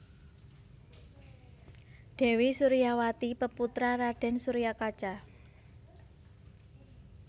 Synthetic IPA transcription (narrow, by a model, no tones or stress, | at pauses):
ɖ̪̥ɛ̤wisuɾijawat̪ipəput̪ɾaɾaɖ̥ɛ̤nsuɾijakat͡ʃa